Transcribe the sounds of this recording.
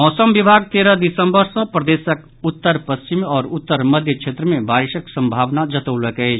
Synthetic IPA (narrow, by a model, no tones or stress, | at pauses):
mɔːsəmʋɪbʱaːɡ̚t̪eːɾəd̪ɪsə̃mbəɾsə̃pɾəd̪eːsək | ʊt̪ːəɾpəst͡ʃɪmɔːɾʊt̪ːəɾməd̪ʱjət͡ʃʰeːt̪ɾəmẽbaːɾɪʃəksə̃mbʱaːʋnad͡ʒət̪əwləkɦe